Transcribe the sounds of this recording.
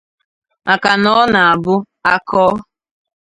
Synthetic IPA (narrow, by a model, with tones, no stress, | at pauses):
a˨ka˨nɔ˦na˨a˨bʊ˦ | a˦kɔː˦